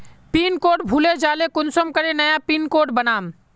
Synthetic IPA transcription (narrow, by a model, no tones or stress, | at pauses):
piːnkoːʈ̚bʱuled͡ʒaːlekʊnsəmkəɾenəjapiːnkoːɖbənaːm